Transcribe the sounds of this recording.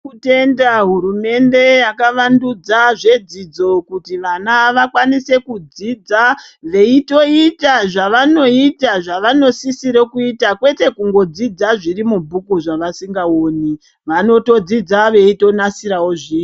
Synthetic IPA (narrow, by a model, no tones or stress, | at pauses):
ute̞ndaɦuɾume̞nde̞jakaʋandud͡zaʐe̞d͡zid͡zo̞kutiʋanaʋakwanise̞kud͡zid͡zaʋe̞ito̞itaʐaʋano̞itaʐaʋano̞sisiɾekuitakwe̞te̞kuŋɡo̞d͡zid͡zaʐirimubʱukuʐaʋasiŋɡao̞ːni | ʋano̞to̞d͡zid͡zaʋe̞ito̞nasiɾaoʐiː